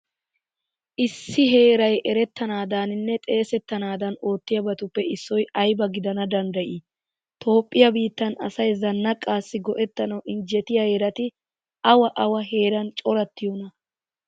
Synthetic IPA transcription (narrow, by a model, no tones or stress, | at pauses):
ʔɪsːɪɦe̞ːɾɐjʔɛɾɛt̪ːɐnaːd̪aːnɪnːɛt̪ʼe̞ːsɛt̪ːɐnaːd̪ɐno̞ːt̪ːɪjɐbɐt̪ʊpːɛʔɪsːɔjɐjbɐɡɪd̪ɐnɐd̪ɐnd̪ɐʔi | t̪ʰo̞ːpʼːɪjɐbiːt̪ːɐnɐsɐjzɐnːɐkʼːaːsːɪɡɔʔɛt̪ːɐnɐwʔɪnd͡ʒɛt̪ɪjɐhɛɾɐt̪ɪ | ɐwɐʔɐwɐɦe̞ːɾɐnt͡ʃʼɔɾɐt̪ːɪjonɐ